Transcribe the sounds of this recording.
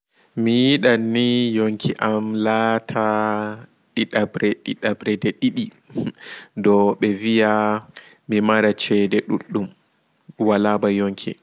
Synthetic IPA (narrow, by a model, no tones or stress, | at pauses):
mijiɗanːijoŋkʰiʔamlatʰa | ɗiɗabɾɛɗiɗabɾɛdɛɗiɗi | dɔɓɛvija | mimaɾat͡ʃɛdɛɗṵɗːum | walabajoŋkʰḭ